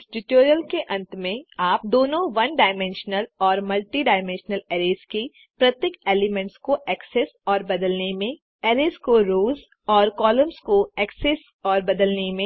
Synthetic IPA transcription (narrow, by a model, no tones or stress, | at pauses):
ʈɪʈoːɾijəlkeʔɐ̃nt̪mẽaːp̚d̪oːnõʋɐnɖaːɪmẽnʃnəlɔːɾmɐlʈiɖaːɪmɛ̃nʃnəleːɾeːzki | pɾɐt̪jekeːlɪmẽɳʈskoʔɛːksesɔːɾbɐd̪əlnemẽ | eːɾeːzkoɾoːz | ɔːɾkɔːləmskoɛːkses | ɔːɾbɐd̪əlnemẽ